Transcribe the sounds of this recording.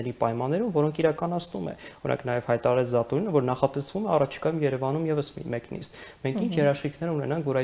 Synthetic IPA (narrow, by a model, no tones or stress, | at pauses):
ɛɾipɑjmɑnːɛɾumvɔɾɔŋkʰiɾɑkɑnɑt͡sʰnumɛ̰ɔnɑ̰ŋkʰnɑjɛv̥hɑjt̪ɑɾɑɾɛt͡sʰzɑt̪ɔɾinəvɔɾnɑχɑt̪ɛsvumɛɑrɑt͡ʃʰi̥kɑjumjɛɾɛvɑnumjɛvəsmḭmɛknḭst̪mɛŋkʰint͡ʃʰjɛɾɑʃχikʰnɛɾunɛnɑŋkʰvɔɾɑ